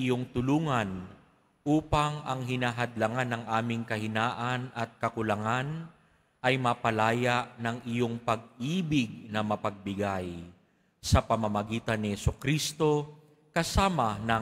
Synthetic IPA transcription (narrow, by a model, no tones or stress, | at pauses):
ɪjoŋt̪ʊluːŋɐn | ʔuːpɐŋɐŋɦɪnaːɦɐd̪laŋanːɐŋʔaːmɪŋkɐhɪnaːʔɐnʔɐt̪̚kɐkʊlɐŋan | ʔɐjmɐpɐlaːjaʔnɐŋʔɪjo̞ŋpɐɡ̚ʔiːbɪɡ̚nɐmɐpɐɡ̚bɪɡaj | sɐpɐmɐmɐɡiːt̪ɐnːɪhɛsʊkɾist̪o̞ | kɐsaːmɐnɐ